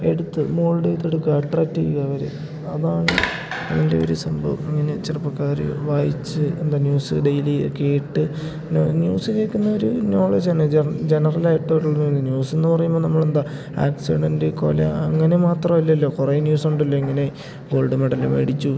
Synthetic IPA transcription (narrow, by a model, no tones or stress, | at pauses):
e̞̰ɽut̪ːɨmo̞ːɭɖɐjt̪ːeɽukːɨɐʈraːk̚tːijuɣɐʋɐɾḛ | ɐðaːɳɨ | ɐðɐnde̞̰oɾusɐmbʱɐ̰ʋɐŋːɐne̞t͡ɕirɐpːɐkːaːɾɨ̰ʋaːjit͡ɕːɨend̪aːnjuːsɨɖejlikːeːʈːɨ | nnjuːsɨkeːkːunːɐoɾuno̞ːɭed͡ʑaːɳɨd͡ʑe̞nɐrɐlaːjiʈːɐʋiʈːuɭːɐnuenːɨnjuːsenːɨpɐrɐjumːbonɐmːɐɭe̞nd̪a | a̰ːksiɽendɨko̞̰ːlɐ̰ɐŋːɐne̞maːt̪rɐmɐlːɐɐlːo̞ːkurenjuːsuɳɖɐlːoiŋːɐne̞ | ɡo̞ːɭɖɨmeɽɐlṵmḛɽit͡ɕːu